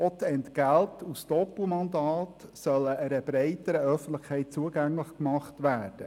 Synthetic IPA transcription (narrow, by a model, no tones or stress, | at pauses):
ɔtɛntɡæltusd̥ɔpumɑnd̪ɑːtsœləəɾəb̥ɾɛɪtəɾəœfən̩tləχkʰːɛɪt̚t͡suəɡæŋlɪχkmɑχtʋæːɾd̥ə